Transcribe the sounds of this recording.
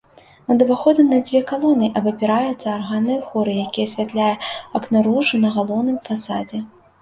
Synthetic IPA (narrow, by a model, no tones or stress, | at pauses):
mɐd̪ɐvaxɔd̪ɨmnɐd͡zʲvʲɛkalˠɔnɨʔɐbɐpʲiɾajut̪sːɐːrɣanɨjxɔɾɨjakʲijɐsʲvʲat̪lʲajɛɐknɐɾuʐɨnɐɣalˠɔwnɨmfasad͡zʲɛ